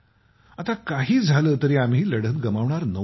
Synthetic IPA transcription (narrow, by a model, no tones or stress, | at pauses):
at̪akaɦiːd͡zʱaləːt̪əɾiːam̤iːləɽ̤ət̪̚ɡəmaʋɳaɾnə